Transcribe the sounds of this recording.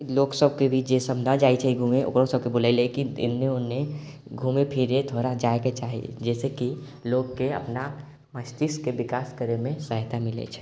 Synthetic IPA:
loksəb̚kebʱit͡ʃd͡ʒesəmd̪ʱad͡ʒait͡ʃʰɛiɡʱumeʔo̰kɾosəb̚kebulaɪlekiɪ̰nːeonːe | ɡʱumepʰiɾet̪ʰoɾad͡ʒaeket͡ʃaːɦḭd͡ʒɛːseki | lokːeə̰pna | məst̪iskebikaskəɾemẽsəɦt̪amilɛ̰t͡ʃʰɛ̥

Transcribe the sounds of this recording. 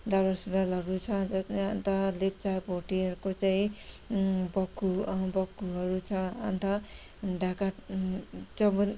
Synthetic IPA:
d̪alasudalʌɡũt͡sʰʌd͡zʌsneant̪ʌlep̚t͡sapoʈiʌɾukot͡saĩ | bʌkːubʌkːuɦʌɾut͡sʰʌa̰nt̪ʰʌ | ɖʱaka | t͡sʌbʌn

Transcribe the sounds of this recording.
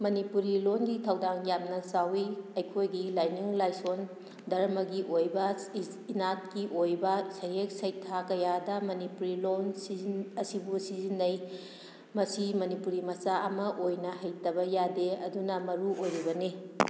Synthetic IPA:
mɐnipuɾilonɡitʰɐwdaŋjamnɐsawiɐjkʰojɡilajniŋlajson | dɐɾɐmɐɡiʔojbɐ | inat̚kiʔojbɐsɐjɦek̚sɐjtʰakɐjadɐmɐnipuɾilonsizinɐsibusizinːɐj | mɐsimɐnipuɾimɐsaʔɐmɐʔojnɐhɐjtɐbɐjadeɐ̰dunɐmɐɾuojɾibɐni

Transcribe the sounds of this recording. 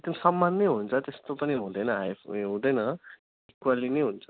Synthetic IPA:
ɡ̚d̪ʌmsʌmːanːʌjɦunt͡sʰʌt̪est̪opʌniɦũd̪ʌjnʌɦajɦũd̪ʌjnʌ | ikwalinʌjɦunt͡sʰʌ̥

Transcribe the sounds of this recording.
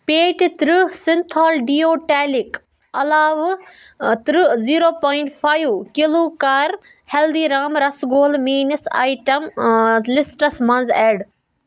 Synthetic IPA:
peːʈt̪ɾusɪnt̪ʰaːlɖioːʈeːlik | ɐlaːʋ | t̪ɾɨziːɾoːpaːiɳʈpʰaːjʋkilukaːɾ | held̪iːɾaːmɾɐsɡoːlmiːnɐsa̰ːjʈɐmzlɪsʈɐsmɐnzeːɖ

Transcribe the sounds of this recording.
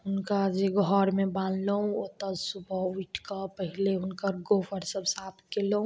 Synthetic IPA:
ɦʊnkad͡ʒeɡʱɔɾmeballəɦũot̪əsubʱəuiʈʰkəpəɦileɦʊnkəɾɡofʰəɾsəbsat̪ʰkeləũ

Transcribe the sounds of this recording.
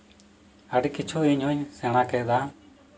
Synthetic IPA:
aɖikit͡ʃʰuiɲɦuɲsɛɽ̃ãkɛd̪a

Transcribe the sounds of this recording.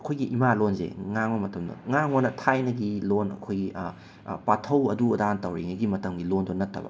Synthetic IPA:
ɐkʰojɡiʔimalonzḛŋaŋɐmɐtʰɐmdɐ̰ŋaŋonɐtʰajnɐɡilonɐ̰kʰojɡi | patʰɐwɐduɐdantɐwɾḛŋɐɡimɐtɐmɡilondonɐtʰːɐ̰bɐ̰

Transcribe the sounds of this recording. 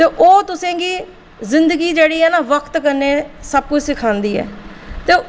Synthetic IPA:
t̪eːʔoːt̪ʊsẽːɡiː | zɪnd̪əɡiːd͡ʒeːɽiːɛːnaːʋəkʰt̪kəɾneːsəb̚kʊd͡ʒsɪkʰãːnd̪iːɛ̰ː | t̪eː

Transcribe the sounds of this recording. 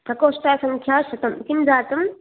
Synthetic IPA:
t̪ɐkoːsʈaːsɐ̃ŋkʰjaːʃɐt̪ɐmkinzaːt̪ɐm

